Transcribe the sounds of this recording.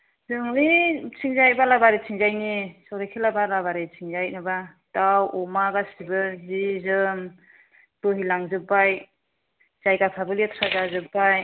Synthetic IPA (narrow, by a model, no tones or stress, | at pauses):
zɯŋɯit͡ʃʰiŋzajbalabaɾit͡ʃʰiŋzajnisɔɾekʰilabalabaɾit͡ʃʰiŋzajnɯbatawɔmaɡasibɯzizɯm | b̥ɯɦilaŋzɯpːaj | z̥ajɡapʰabɯlietʰɾazazɯp̚ːaj